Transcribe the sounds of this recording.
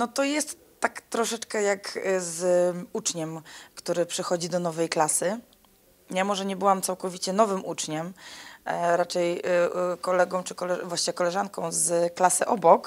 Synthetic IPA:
nɔt̪ɔjɛst̪ːakt̪ɾɔʂɛt͡ʂkɛjakzut͡ʂɲɛmkt̪uɾɘpʂɘxɔd͡ʑid̪ɔnɔvɛjklasɘ | jamɔʐɛɲɛbɘwamt̪sawkɔvʲit͡ɕɛn̪ɔvɘmut͡ʂɲɛm | ɾat͡ʂɛjkɔlɛɡɔ̃w̃t͡ʂɘkɔlɛvwaɕt͡ɕɲɛkɔlɛʐankɔ̃w̃zklasɘʔɔbɔk

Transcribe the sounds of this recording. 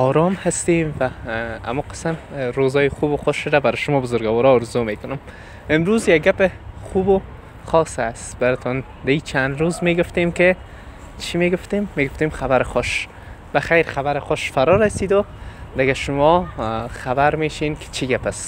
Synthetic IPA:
ɔɾɔmhast̪emva̰ːmuqɪ̥smɾozɔːjɪxubʊxʊʃʊdabaɾʃʊmɔːbʊzʊɾɡawɔɾɔːɾzomekʊnʊm | ɪmɾuzjaɡɡapɪxubʊ | xɔsast̪baɾɪt̪ʰɔn | d̪ait͡ʃʰand̪ɾuzmeɡʊft̪emke | t͡ʃʰimeɡʊft̪emːeɡʊft̪emxaβaɾɪxʊʃ | b̥axajɾxabaɾɪxʊʃfaɾɔɾasid̪ʊd̪ɪɡaʃʊmɔxabaɾmeːʃenkʰɪ̥t͡ʃʰiɡapas

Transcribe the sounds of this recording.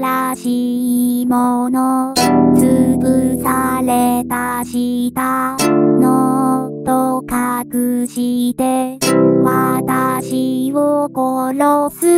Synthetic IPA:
ɾaɕiːmonot͡sɨbɯsaɾet̪aɕit̪anot̪okakɯɕit̪e̞βat̪aɕiβokoɾosɨ

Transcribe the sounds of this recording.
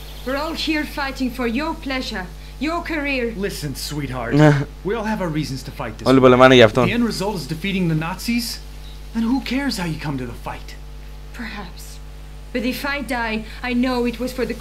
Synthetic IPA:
wɪɹɔlˠhiɹfaɪɾɪ̃ŋfə˞jə˞pʰl̥ɛʒə˞ | jə˞kʰə˞iɹlɪsɨ̃nswit̚hɑ̰ɹd̥wiɔlˠəvaʊə˞ɹiz̃nz̥tʰəfaɪt̪̚ðɪɔlibɔləmanəjaft̪ɔ̃ɛ̃nɹɨzʌlˠtɨzdɨfiɾɪ̃ŋðɨnɑtsiz̥ | ðɨ̃nhukʰɛɹz̥haʊjɨkʰʌ̃mtɨðəfaɪt | pʰə˞hæps | b̥ʌɾɨfaɪdaɪ | aɪnoʊɨt̚wʌz̥fə˞ðɨ

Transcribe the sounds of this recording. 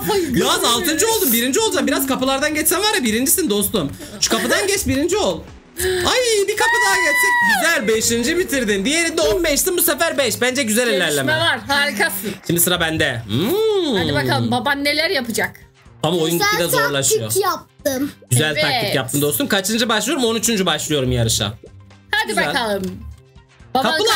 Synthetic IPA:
juazalˠt̪ʰɯnd͡ʒɯo̞lˠd̪umbiɾind͡ʒio̞lˠd͡ʒambiɾazkʰapɯlˠaɾd̪anɟɛt͡ʃsænvaɾabiɾind͡ʒisind̪o̞st̪um | ʃu̥kʰapɯd̪anɟɛt͡ʃbiɾind͡ʒio̞lˠ | ajbikʰapɯd̪ajɛt͡ʃsinɟyzælʲbeʃind͡ʒimit̪ʰiɾd̪ind̪ije̞ɾind̪ɛonbɛʃt̪inbusefæɾbɛʃbænd͡ʒɛɟyzɛlʲelʲæɾlʲemɛvaɾhaːɾikasɯnʃimd̪isɯɾabænd̪ɛɯaibakalˠɯmbabanːelʲæɾjapɯd͡ʒak | amaojunid̪ɛzoɾlˠaʃɯjo̰jap̚t̪ɯmɟyzælʲt̪ak̪jap̚t̪ʰɯmd̪o̞st̪umkʰat͡ʃʰɯnd͡ʒabaʃlˠɯjo̞ɾumo̞nyt͡ʃʰynd͡ʒybaʃlˠɯjo̞ɾumjaɾɯʃa̰had̪iybzælalˠɯm | bakaɯnˠa

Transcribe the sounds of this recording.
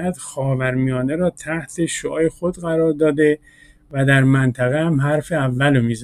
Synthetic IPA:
æd̪̥xɒːvæɾmijɒːneɾɒːt̪ʰæht̪ʰe̞ʃoʔɒːjexod̪ɣæɾɒːɾd̪ɒːd̪e̞ | væd̪æɾmænt̪ʰæɣehæmɦæɾfeævːælomiːz

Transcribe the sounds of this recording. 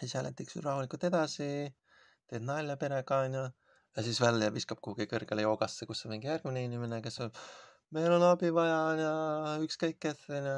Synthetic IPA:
sishælet̪ːˑiksṵrɑɦulikˑult̪e̞d̪̥ɑsi | t̪e̞ːd̪nɑlʲːɑpe̞ɾekɑnʲjɑ | jɑsiːsvælːjɑviskɑb̥̚kuɡ̥ikɤrɡ̥elejo̞ːɡɑsːekusːemeŋɡ̥jærɡ̥mineinʲimenekeso | me̞jlo̞nɑb̥ivɑjɑnjɑykskɤjkːeθɑnʲjo

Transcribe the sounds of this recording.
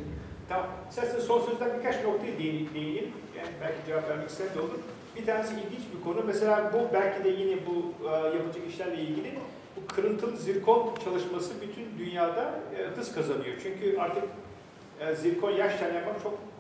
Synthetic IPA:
t̪ʰamamesʲæasinɛso̞nsøzd̪ænbiɾkʰat͡ʃbnok̚t̪ʰajad̪eid̪ejilʲim | jɛbælʲcʰid͡ʒevapvʲæɾmɛcist̪ænd̪olˠuɾ | biɾt̪ʰaːɾnesiilʲɟint͡ʃbikʰo̞numese̞lʲaːbubælʲcʰid̪ɛjinɛbujapɯd͡ʒɯkiʃlʲæɾlʲɛilʲɟʲilʲi | bukʰɯɾɯnt̪ʰɯnziɾkʰo̞nt͡ʃʰalˠɯʃmasɯbyt̪ʰynd̪ynjaːd̪akɯzkʰazanɯjo̞t͡ʃʰyɲcʰyʔaɾt̪ʰɯkː | ziɾkʰo̞njæɾʃc̪ʰʲænjapmakt͡ʃʰo̞k

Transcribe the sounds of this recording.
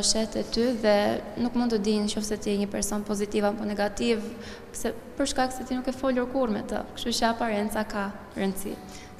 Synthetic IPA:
ʃɛt̪ɛt̪yðɛnukmund̪t̪əd̪inʃɔfsɛt̪iɛɲəpɛɾsɔnpɔzit̪ivapɔnɛɡat̪iv | ksɛ | pəɾʃkaksɛt̪inukɛfɔluɾkuɾmɛ̰t̪ə̰kʃt̪ut͡ʃəapaɾɛnt̪t͡saka | ɾənd̪sḭ

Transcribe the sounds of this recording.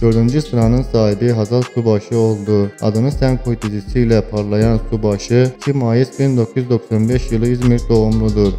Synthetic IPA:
d̪̥ø̞ɾd̪ynd͡ʒisɯɾanɯnsaːɦibiɦazalsubaʃɯo̞lˠd̪ua̰d̪ɯnɯsɛnkʰoit̪ʰezisijlʲɛpʰaɾlˠajansubaʃɯcʰimːaːjisbind̪o̞kʰjyzd̪o̞ksanbɛʃjɯlˠɯjizmiɾʲd̪o̞umlˠud̪uɾ

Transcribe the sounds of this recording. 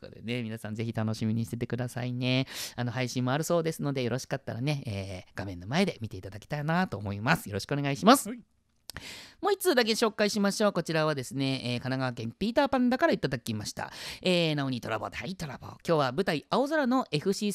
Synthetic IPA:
o̰d̪ne̞mʲinasãnd͡ze̞çit̪ano̞ɕimʲiɲ̟iɕi̥t̪e̞t̪e̞kɯd̪asaine̞ano̞haiɕĩmːo̞aɾɯ̟so̞ːd̪e̞sɨno̞d̪ejo̞ɾo̞ɕi̥kat̪ːa̰ɾane̞eːɡ̥amẽ̞nːo̞mae̞d̪e̞mʲit̪e̞it̪ad̪akʲi̥t̪ainat̪o̞̰ːmo̞imasɨ̥jo̞ɾo̞ɕi̥kɯoneaiɕimasɨ̥ | mo̞it͡sɨːd̪ak̬e̞ɕo̞ːkaiɕimaɕo̞ːko̞t͡ɕiɾaβad̪e̞sɨne̞ːkanaɡaβakẽ̞mpʲiːt̪aːpãnd̪akaɾait̪ad̪akʲimaɕi̥t̪a̰eːnaoɲ̟it̪o̞ɾa̰boːt̪it̪oɾabo̰ːkʲo̞ːβabɯ̟t̪aiʔao̞zaɾano̞ʔe̞ɸɯ̟ɕiː

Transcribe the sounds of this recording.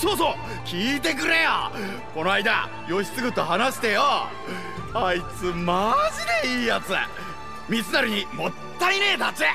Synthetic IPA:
so̞ːso̞ː | kʲiːt̪̬e̞k̬ɯ̟ɾe̞jo̰ | ko̞noaid̪a̰ | jo̞ɕi̥st͡sɨɡɯ̟t̪ːohanaɕi̥t̪ejo | ait͡sɨmaʑid̪e̞iːjat͡sɨ̰ | mʲit͡sɨnaɾɯ̟ɲ̟imot̪ːaine̞ːt̪at͡se

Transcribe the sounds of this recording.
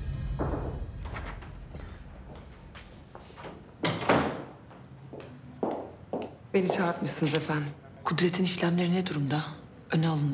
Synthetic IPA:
benit͡ʃʰat̪mɯsɯnɯzefænd̪ | kʰud̪ɾe̞t̪ʰiniʃlʲæmlʲe̞ɾinɛd̪uɾumd̪a | ønɛalˠɯnd̪

